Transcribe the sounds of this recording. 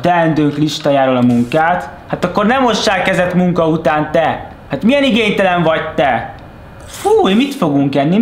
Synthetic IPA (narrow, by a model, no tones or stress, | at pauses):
t̪ɛɛnd̪øːŋkliʃt̪ajaːɾolɒmuŋkaːt̪haːt̪ɒkːo̞rnɛmo̞ʃːaːlkɛzɛt̪muŋkɒut̪aːnt̪ɛ | hat̪mijɛniɡeːɲt̪ɛlɛɱvɒc̚t̪ɛ | fuːemit̪fo̞ɡuŋkɛnːi